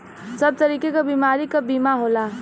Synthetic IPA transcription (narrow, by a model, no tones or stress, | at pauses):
səb̚t̪əɾiːkekabiːmaːɾikəbiːmaɦola